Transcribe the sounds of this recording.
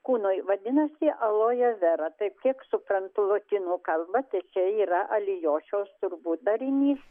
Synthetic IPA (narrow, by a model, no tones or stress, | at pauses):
kuːnoːjʋɐd̪ʲɪnɐsʲɪʔɐlˠoːjɛʋʲɛɾɐt̪ɐɪp̚kʲiɛksʊpɾɐnt̪ʊlˠoːk̪ʲɪnuːkɐlˠbɐt̪ɐɪt͡ʃʲɛiːɾɐʔɐlʲɪjoːʃʲoːst̪ʊrbuːt̪̚d̪ɐɾʲɪnʲiːs